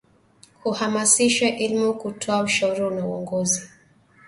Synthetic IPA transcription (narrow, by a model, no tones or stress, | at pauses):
huhamasiʃwɛʔilmukutʰɔauʃauɾiunauɔŋɡɔzi